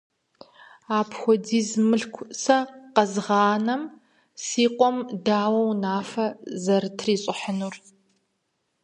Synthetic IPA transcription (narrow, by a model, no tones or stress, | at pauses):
aːpʰxʷɔdiːzmɨɬkʷʰsɐqɐzʁɑːnɐm | siːqʷʼɔmdaːwɐwnaːfɐzɐrtʰriːɕʼɪħənur